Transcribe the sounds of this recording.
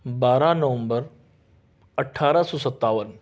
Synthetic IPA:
baːɾanəʋə̃mbəɾ | əʈʰːaɾasɔsət̪ːaʋən

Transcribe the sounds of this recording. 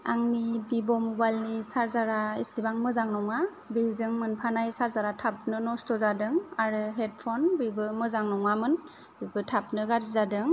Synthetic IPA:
a̰ŋnibibɔmubajlnisaɾzaɾaḭsibaŋmɯzaŋnɔŋa | bezɯŋmɯnpʰanajsaɾzaɾatʰap̚nɯnɔstɔzadɯŋaɾɯɦed̚pʰɔnbibɯmɯzaŋnɔŋamɯn | bibɯtʰap̚nɯɡaɾzizadɯŋ

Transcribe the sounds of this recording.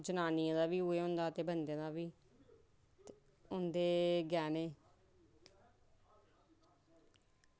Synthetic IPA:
d͡ʒʊnaːnijãːd̪aːʋiːʊeːʊ̃ːnd̪aːt̪eːbənd̪ẽːd̪aːʋiː | ʊnd̪eːɡɛːneː

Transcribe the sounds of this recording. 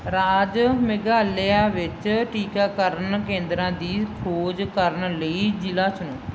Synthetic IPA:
ɾaːd͡ʒmɪɡaːleaːʋɪt͡ʃʈiːkaːkəɾənkẽːnd̪ɾãːd̪iːkʰoːd͡ʒkəɾənləiːd͡ʒɪlaːt͡ʃʊnũː

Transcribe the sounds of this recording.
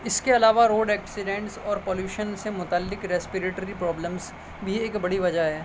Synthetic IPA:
ɪskeɐlaːʋaɾoːɖɛːksɪɖẽːɳʈsɔːɾpoːljuːʃənsemʊt̪alːɪkɾɛspɪɾeːʈɾipɾɔːbləmz | bʱieːkbɐɽiʋɐd͡ʒaɦɛː

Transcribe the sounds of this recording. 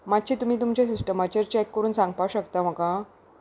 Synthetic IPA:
matːɕiːt̪um̤iːt̪̬umt͡ɕjasisʈəmat͡ɕəɾt͡ɕɛkːəɾuːnsãŋɡpaɕəkt̪am̤əkã

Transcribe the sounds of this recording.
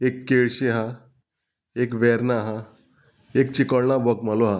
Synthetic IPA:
ekːeɭɕeɦa | ekʋɛɾnaɦa | ekt͡ɕikəɭɳabəkmaloɦa

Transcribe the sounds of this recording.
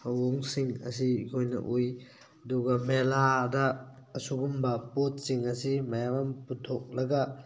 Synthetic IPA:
ɐwoŋsiŋɐ̰s̬iikʰojnɐ̰ʔuj | ɐduɡɐmeladɐːsuɡumbɐpot̚siŋɐsimɐjaŋɐmputʰok̚lɐɡɐ

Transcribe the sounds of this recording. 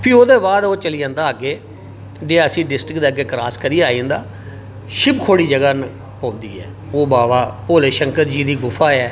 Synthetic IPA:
pʰiːoːd̪eːbaːd̪oːt͡ʃəliːãːnd̪aːaːɡeː | ɖeːəsiːɖɪsʈɾɪkd̪eːɡeːkɾaːskəɾiːaːĩnd̪aː | ʃɪpkʰoːɽiːd͡ʒəɡaːn | põːnd̪ḭːɛ̰ː | oːbaːʋaːpoːleːʃəŋkəɾd͡ʒiːd̪iːɡʊfʰaːɛː

